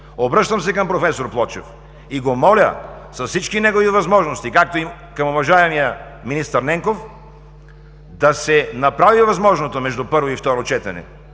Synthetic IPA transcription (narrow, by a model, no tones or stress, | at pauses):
obɾɤʃt̪ɐmsɛkɐmpɾofɛsoɾplˠɔt͡ʃɛ̰f | iɡomɔlʲə̰ | sɐsfsit͡ʃkinɛɡovivɐzmɔʒnost̪ikak̚t̪oi | kɐmovɐʒaɛmijə | minist̪əɾnɛŋkof | d̪ɐsɛnɐpɾavivɐzmɔʒnot̪omɛʒd̪upɤɾvoift̪ɔɾot͡ʃɛt̪ɛnɛ̰